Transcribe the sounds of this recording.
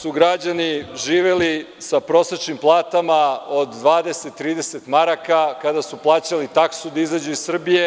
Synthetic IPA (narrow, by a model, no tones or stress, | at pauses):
suɡɾad͡ʑaniʒiːʋe̞lisapɾo̞set͡ʃnimplˠaːt̪amaod̪d̪ʋaːd̪eset̪ːɾiːd̪e̞set̪maɾakakad̪asuplˠaːt͡ɕalit̪aksud̪aizad͡ʑuisr̩bije̞